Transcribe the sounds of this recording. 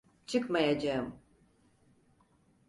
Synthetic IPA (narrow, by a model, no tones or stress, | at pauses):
t͡ʃʰɯkmajad͡ʒaɯm